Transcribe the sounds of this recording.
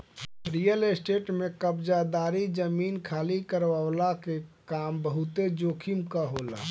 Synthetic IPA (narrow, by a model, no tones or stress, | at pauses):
ɾijəlesʈeːʈmẽkəbd͡ʒad̪aːɾid͡ʒəmiːnkʰaːlikəɾʋaʋlakekaːmbəɦut̪ed͡ʒoːkʰimkaɦola̰ː